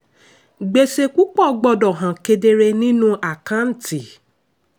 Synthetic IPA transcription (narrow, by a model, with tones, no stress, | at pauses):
ɡ͡be˧se˧ku˦k͡pɔ˦˨˧ɡ͡bɔ˦˧˨dɔ˨ɦã˨ke˧de˧ɾe˧nĩ˦nũ˦ʔa˨kã˦n̩˨ti˨